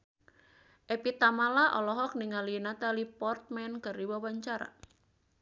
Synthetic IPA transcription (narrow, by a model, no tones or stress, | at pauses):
ʔepit̪amalaʔɔlɔɦɔk̚niŋalinat̪alipɔrt̪̚mɛnkaɾiwawaɲt͡ʃaɾa̰